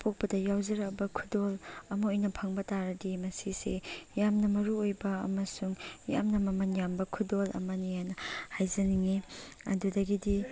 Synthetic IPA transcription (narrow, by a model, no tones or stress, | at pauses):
pʰok̚pɐdɐjawzɐɾɐk̚bɐkʰudolɐmɐojnɐpʰaŋbɐtaɾɐdimɐsisejamnɐmɐɾuojbɐ̰ːmɐsuŋja̰mnɐmɐmɐnjambɐkʰudolɐ̰mɐnijanɐhajzɐniŋiɐ̰dudɐɡidi